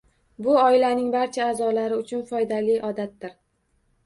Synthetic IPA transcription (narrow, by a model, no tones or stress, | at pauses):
bʊɒɪlanɪŋbaɾt͡ʃʰaːzɒlaɾɪʊt͡ʃʰʊnfɒjd̪alɪjʔɒd̪at̪̚ːɪɾ